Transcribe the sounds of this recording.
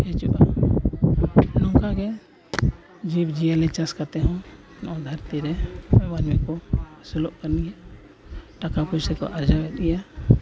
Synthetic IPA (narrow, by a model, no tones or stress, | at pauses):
hɛt͡ʃṵʔa | nɔ̃ŋkaɡɛ | d͡ʒibd͡ʒialɛt͡ʃaskat̪ɛɦɔ̃ | nɔ̃d̪ʱaɾt̪iɾɛmmanmɛkɔsulɔʔkaniɦɛ | ʈakakut͡ʃsɛkɔ̰ʔad͡ʒabɛɗ̪̚ɡija